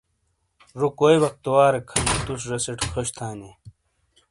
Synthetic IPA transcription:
ɾukojbɐk̚t̪owaːɾekʰɐnt̪us̬ɾɐseʈkʰɐɕt̪ʰaːne

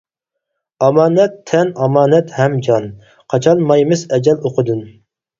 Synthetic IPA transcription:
ɑmɑːnɛt̪ʰːɛnɑmɑːnɛt̪hɛmd͡ʒɑn | qʰɑt͡ʃʰɑnmɑjmɪzɛd͡ʒʲɛloqʰəd̪ɨn

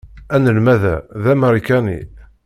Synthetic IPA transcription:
ænəlmæðæ̰ðæməɾˤikænḭ

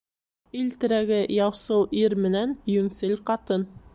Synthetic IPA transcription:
ilt̪ɘ̆ɾæɡɘjɑwsɤwʔiɾmɘ̆nænjɵnsɘlʲqɑt̪ɤn

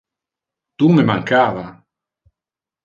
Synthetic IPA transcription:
t̪umemaŋkaːva

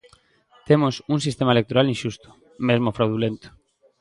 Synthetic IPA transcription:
t̪emosunsist̪emaelek̚t̪oɾalinʃust̪o̥ | mezmofɾawðulent̪o̥

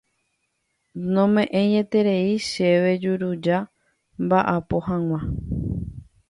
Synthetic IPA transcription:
nõ̞mẽ̞ʔẽ̞ɲẽ̞t̪e̞ɾe̞iʃe̞ʋe̞d͡ʒuɾud͡ʒa | mbaʔapo̞ɦãŋ̃ʷã

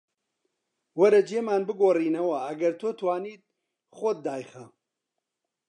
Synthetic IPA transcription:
wɐɾɐd͡ʒeːmaːnbɨɡoːriːnɐwɐɐɡɐɾt̪ʰoːt̪ʰwaːniːt̪̚ | χʷod̪̚ːaːjχɐ

